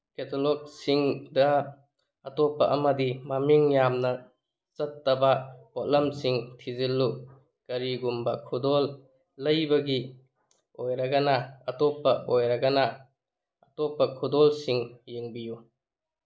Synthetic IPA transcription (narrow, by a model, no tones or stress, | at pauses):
ketʰolɔk̚siŋdɐ | ɐtɔpːɐʔɐmɐdimamiŋjamnɐ | t͡ʃɐtːɐbɐɔlɐmsiŋtʰizilːu | kɐɾiɡumbɐkʰudɔlː | ɐjbɐɡi | ojɾɐɡɐnɐɐtɔpːɐojɾɐɡɐnɐ | ɐtɔpːɐkʰudɔlsiŋjeŋbiju